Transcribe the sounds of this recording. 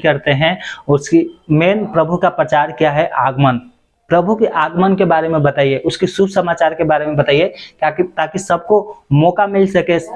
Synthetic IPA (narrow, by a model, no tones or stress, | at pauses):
kɐɾt̪eɦɛ̃ʊskimeːnpɾəbʱukapɾət͡ʃaːɾkijaɦɛʔaːɡmən | pɾəbʱukeʔaːɡmənkebaːɾemẽbɐt̪aːieʔʊskisubʱsəmaːt͡ʃaːɾkebaːɾemẽbɐt̪aːiekait̪aːkisɐb̚komɔːkamɪlsɐke